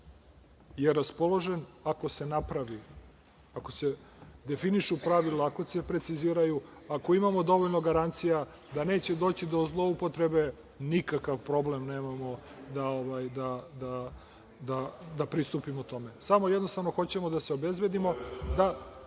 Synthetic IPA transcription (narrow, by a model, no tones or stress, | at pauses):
je̞ɾaspo̞lˠo̞ʒe̞nako̞se̞napɾaʋi | ako̞se̞d̪e̞finiʃupɾaʋilaːko̞se̞pɾe̞t̪siziːɾajuako̞imamo̞d̪o̞ʋoʎno̞ɡaɾant̪sija | d̪ane̞ːt͡ɕe̞d̪o̞ːt͡ɕid̪o̞zlˠo̞upo̞t̪ɾe̞be̞ | nikakaʋpɾo̞ble̞mneːmamo̞d̪aoʋajd̪ad̪a | d̪ad̪apɾist̪uːpimot̪o̞me̞samo̞jed̪no̞st̪avno̞xo̞t͡ɕe̞mod̪aseo̞be̞zbe̞d̪imo̞d̪a